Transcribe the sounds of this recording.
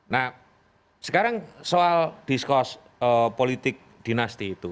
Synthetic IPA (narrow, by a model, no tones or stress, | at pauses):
nah | səkaɾaŋsoald̪̥iskɔs | əpolit̪ɪk̚d̪̥i̤nast̪iːt̪u